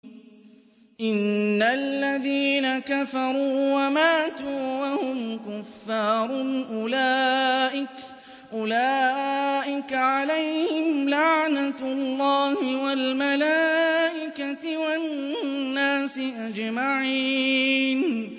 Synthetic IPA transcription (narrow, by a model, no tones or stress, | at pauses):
ʔɪnːaalːaðiːnakafɑɾˤuuːwamaːt̪uːwahʊmkʊfːɑːɾˤʊʔʊlaːʔɪk | ʔʊlaːʔɪkaʕalajhhɪmlaʕnatlˤːɑːhɪwalmalaːʔɪkat̪ɪwanːaːsɪʔad͡ʒmaʕiːn